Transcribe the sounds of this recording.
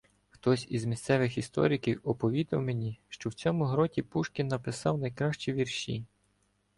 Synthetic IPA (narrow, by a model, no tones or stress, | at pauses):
xt̪ɔsʲizmʲist̪sɛʋɪxist̪ɔ̰ɾʲikʲiwɔpɔʋʲid̪ɐwmenʲiʃt͡ʃɔwt͡sʲɔmʊɦɾɔtʲipuʃkʲinːɐpɪsɑwnɐjkɾɑʃt͡ʃiʋʲirʃʲḭ